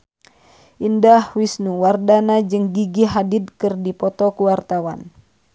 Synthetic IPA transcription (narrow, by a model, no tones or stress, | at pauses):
ʔindahwisnuwardanad͡ʒɨŋɡiɡiɦadid̪̚kɨrdipɔt̪ɔkuwart̪awa̰n